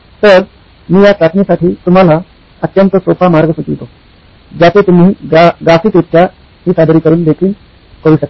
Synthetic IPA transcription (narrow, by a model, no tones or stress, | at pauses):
t̪əɾ | miːjat͡sat̪nisaʈʰiːt̪um̤ala | ət̪jənt̪əsopamaɾɡəsukiʋt̪o | d͡ʑat̪et̪um̤iːɡafiːt̪it̪kʰja | ɦiːsad̪ɾiːkəɾuːnd̪ekʰiːl | kəɾuːɕək̪̚a